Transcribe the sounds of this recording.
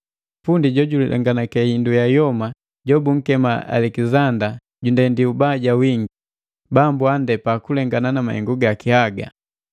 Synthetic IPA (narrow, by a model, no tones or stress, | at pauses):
pundiɟɔɟulḭlʔɛ̰ŋɡanakɛhindujajɔma | ɟɔbuŋ̩kɛmaa̰lɛkizanda | ɟundɛndiubaɟawiŋɡi | bambuandɛpakulɛŋɡananamahɛ̰ŋɡuɡakihaɡa̰